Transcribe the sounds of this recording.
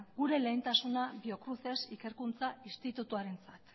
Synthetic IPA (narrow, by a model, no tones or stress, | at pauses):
ɡuɾe̞le̞ːnt̪asunabio̞kɾuθe̞sike̞ɾkunt͡saist̪it̪ut̪uaɾe̞nt͡sat̪